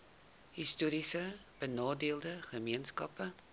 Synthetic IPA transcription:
histuːɾisəb̥ənɑːdeəlˠdəχəmiənskɐpə

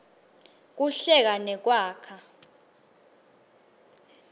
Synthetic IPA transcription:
k̬uɬɛk̬anɛk̬waːkʰa

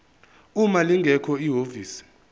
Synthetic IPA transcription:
umaliŋɡʱɛkʰɔiɦoviːsi̥

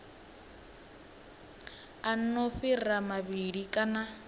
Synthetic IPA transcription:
an̩nɔfiramabidikʼana

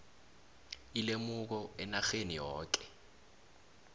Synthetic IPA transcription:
ilemʊk̬ɔɛnaxenijɔːk̬ʼɛ̥

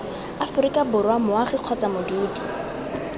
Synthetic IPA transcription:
afʊɾikʼabʊrwamʊaχɪq͡χʰɔt͡samʊduːdi

